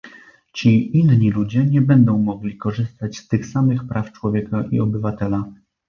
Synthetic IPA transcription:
t͡ɕiinɲilud͡ʑɛɲɛbɛnd̪ɔ̃w̃mɔɡlʲikɔʐɘst̪at͡ɕst̪ɘxsamɘxpɾʔaft͡ʂwɔvʲjɛkaʔḭɔbɘvat̪ɛla

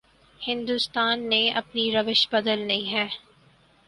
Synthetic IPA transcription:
hɪ̃nd̪ust̪aːnːeɐ̰pniɾɐʋɪʃbɐd̪əlnɐɦĩɦɛː

